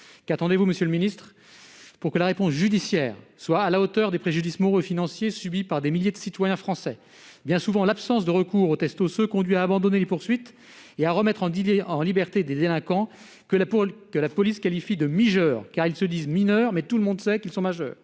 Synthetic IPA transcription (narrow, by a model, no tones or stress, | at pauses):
kat̪ɑ̃d̪evuməsjøləminist̪χ | puʁkəlaʁepɔ̃sʒyd̪isjɛːʁswaːlaot̪œʁd̪epχeʒyd̪ismɔʁøfinɑ̃sjesybipaʁd̪emiljed̪əsit̪wajɛ̃fχɑ̃sɛ | bjɛ̃suvɑ̃lapsɑ̃sd̪əʁəkuʁot̪ɛst̪osøkɔ̃d̪ɥiaːbɑ̃d̪ɔnelepuʁsɥit̪ | eaʁəmɛt̪χɑ̃ɑ̃libɛʁt̪ed̪ed̪elɛ̃kɑ̃ | kəlakəlapɔliskalifid̪əmiʒœːʁkaʁilsəd̪izminœʁmɛt̪ulmɔ̃d̪sɛkilsɔ̃maʒœ̰ːʁ